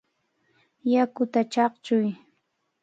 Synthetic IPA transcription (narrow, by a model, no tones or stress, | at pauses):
jakʊt̪at͡ʃɑqt͡ʃʊj